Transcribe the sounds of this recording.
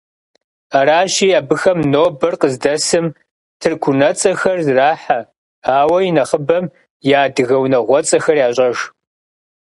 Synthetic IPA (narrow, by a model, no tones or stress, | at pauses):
aɾaːʃiːaːbɨxɐmnoːbɐrqəzdɐsɨm | tʰɨrkʷʰʊnɐt͡sʼɐxɐrzraːħa | aːwɐjinɐχəbɐm | jaːdɨɣɐwnɐʁʷɔt͡sʼɐxɐrjaːɕʼɐʒ